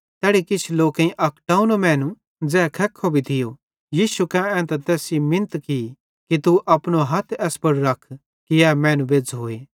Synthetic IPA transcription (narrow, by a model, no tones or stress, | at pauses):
t̪ɛːɽikɪt͡ʃʰloːkãĩʔɐkʰʈaːunomɛ̃ːnũ | d͡zɛːkʰɛkʰːobʱit̪ʰɪjo | jiːʃukɛ̃ɛ̃ːt̪ɐt̪ɛːsimɪ̃nt̪ki | kit̪uʔɐpɽ̃oɦɐt̪ʰɛːspɐɽuɾɐkʰ | kiɛːmɛ̃ːnũbeːd͡zɦoːeː